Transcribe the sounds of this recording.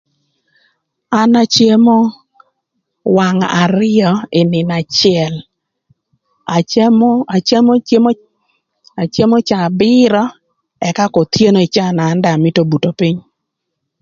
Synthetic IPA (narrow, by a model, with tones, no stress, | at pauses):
a˦na˦t͡ʃje˦mo˦ | wa˨ŋa˨ɾɪ˦ɔ˨ɪ˨nɪ˨na˨t͡ʃɪ˦ɛ˨l | a˨a˨e˦m˦m˦ | a˨t͡ʃje˦mo˦t͡ʃa˨bɪ˦ɾɔ˦ | ɛ˨ka˦ko˨t̪je˦no˨ɪ˨t͡ʃa˦˨naː˨˦nda˨mɪ˦to˦bu˨to˨pi˦ɲ